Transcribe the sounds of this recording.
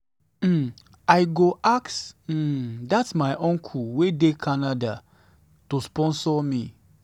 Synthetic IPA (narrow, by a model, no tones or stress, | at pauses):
m̩ | aɪɡoʔaks̩ | datsmaɪʔɔ̃ŋkʰuwedekʰanada | tospɔ̃nsɔmi